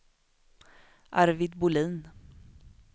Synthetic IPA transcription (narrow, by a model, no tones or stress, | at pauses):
ʔaɾvɪd̪bʊliːn